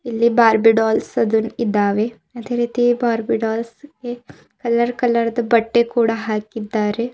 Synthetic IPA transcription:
ilːibaːɾbiɖaːlsɐd̪unid̪aːʋe | ɐt̪eɾiːt̪ibaːɾbiɖaːlske | kɐlːəɾkɐlːɐɾd̪ɐbɐʈːekuːɽaɦaːkːid̪ːaːɾe

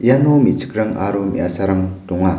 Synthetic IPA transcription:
janomit͡ʃɯ̥kɾaŋa̰ɾomḭʔasaɾaŋtɔŋa

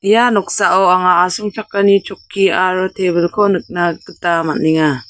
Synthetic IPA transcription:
janɔk̚saʔɔwaŋaːsuŋt͡ʃʰakːanit͡ʃʰɔkʰːiaɾɔtʰeβəlkʰɔnɯk̚nakɯtamat̚niŋa

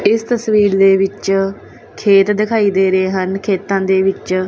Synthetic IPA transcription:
ɪst̪əsʋiːɾd̪eːʋɪt͡ʃ | kʰeːt̪d̪ɪkʰaːiːd̪eːɾeːɦənkʰeːt̪ãːd̪eːʋɪt͡ʃ

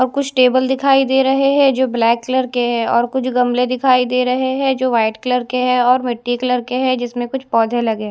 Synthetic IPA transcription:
ɔːɾkʊt͡ʃʰʈeːbəld̪ɪkʰaːid̪eːɾɐɦeɦɛ̃d͡ʒoːblɛːkːlɐɾkeɦɛ̃ɔːɾkʊt͡ʃʰɡɐmled̪ɪkʰaːid̪eːɾɐɦeɦɛ̃d͡ʒoːʋaːɪʈkləɾkeɦɛɔːɾmɪʈːiklɐɾkeɦɛd͡ʒɪsmẽkʊt͡ʃʰpɔːd̪ʱelɐɡe

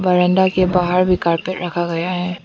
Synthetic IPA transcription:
ʋɐɾə̃nd̪akebaɦəɾbʱikaːɾpeʈɾɐkʰaɡɐjaɦɛː

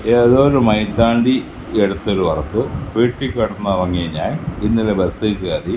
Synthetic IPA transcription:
eɐðoːɾumɐjt̪ːaːɳɖi | eɽut̪ːoɾuʋɐrɐkːɨpiːʈːikʲːɐɽunːɐʋɐŋːijɐɲaːninːilebesɐkːaːri

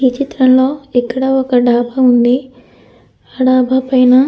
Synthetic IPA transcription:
iːt͡ʃit̪ɾɐnlo̞ːɛkːɐɽɐɔkɐɖʱaːbʱɐund̪i | aːɖʱaːbʱɐpɐjnɐ

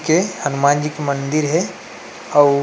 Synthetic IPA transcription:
kehənumaːnd͡ʒikemənd̪ɪɾɦɛ | ɔː

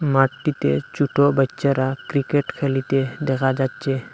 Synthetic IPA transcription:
maʈːit̪et͡ʃuʈobətːʃaɾakɾikeʈkʰelit̪ed̪ɛkʰad͡ʒat̪ːt͡ʃʰe

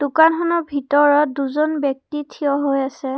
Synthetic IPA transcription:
d̥ʊkanxɔnɔbʱitɔɹɔt̚duzɔnbɔk̚titʰiɔɦojasɛ

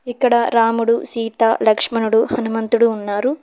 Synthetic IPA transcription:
ikːɐɽɐɾaːmuɽusiːt̪aːlɐkʂmɐnuɽuhɐnumɐnt̪uɽuːnːaːɾu

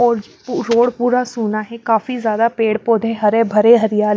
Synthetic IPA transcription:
ɔːɾ | pɾoːɽpuːɾasuːnaɦɛkaːfizjaːd̪apeːɽpoːd̪ʱẽɦəɾebʱəɾeɦəɾɪjaːl

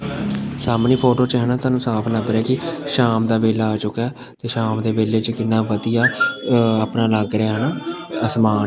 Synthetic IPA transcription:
saːmnĩːpʰoːʈoːt͡ʃəɦənãːt̪aːnũːsaːpʰləɡɾɛːkɪʃaːmd̪aːʋeːlaaːt͡ʃʊkɛː | t̪eːʃaːmd̪eːʋeːleːt͡ʃəkɪnːãːʋəd̪ijaː | aːpnãːləɡɾeaːɦənaːəsmaː

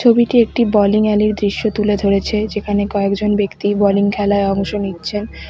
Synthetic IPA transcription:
obiʈiek̚ʈibɔliŋɛliɾd̪ɾiʃːot̪uled̪ʱoɾet͡ɕʰed͡ʑekʰanekɔekd͡ʑonbekt̪ibɔliŋkʰɛlaeɔŋʃonitːɕʰen

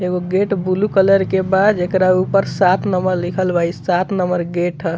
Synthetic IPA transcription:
eɡoɡeʈbulukələɾkebad̪ekɾaupəɾsat̪nəməɾlikʰəlbaisat̪nəməɾɡeʈɦə

